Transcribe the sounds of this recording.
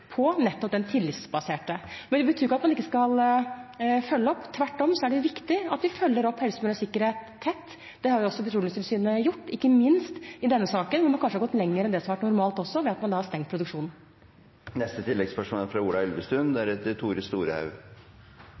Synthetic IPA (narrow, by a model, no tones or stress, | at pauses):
pʰɔnɛt̪ːɔp̚d̪ɛnt̪ʰɪlːɪt̪sbɑseːʈəmɛnd̪ɛbət̪ʰyːɾkːɑt̪mɑnɪkːəskɑl | fœlːəɔpːt̪ʰʋæʈːɔmsɔæɖɛjʊʋɪkt̪ɪɑt̪ʋɪfœlːəɾɔpːhɛlsəmɪləsɪkːəɾheːt̪ʰːɛt̪ː | d̪̥ɛhɑɾjʊɔsːɔbət̪ɾuːlsɪlsyːnəjʊʈːɪkːəmɪnst̪ɪd̪ɛnːəsɑːkənʋʊɾmɑnkɑnʂəhɑɾɡɔt̪ːlɛŋːəɾɛnd̪ɛsɔmɑʋæʈnʊɾmɑːlt̪ɔsːɔʋɛɑt̪mɑnd̪ɑːhɑɾst̪ɛŋt̪̚pʰɾʊd̪ʉkʂuːnn̩ | nɛst̪ət̪ʰɪlːɛɡspœʂmɔfɾɑuːlɑɛlʋəst̪ʉnd̪æɾɛt̪ːət̪ʰuːɾəst̪uːɾəhɑ̰ʉ